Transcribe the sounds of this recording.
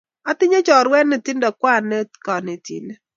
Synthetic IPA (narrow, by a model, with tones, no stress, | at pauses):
a˦tɪ˦ɲe˦t͡ʃɔ˨ɾwɛ˦ne˨ti˦ndɔ˨kwa˦˨ne˦tka˨ne˨tḭ˨ne˦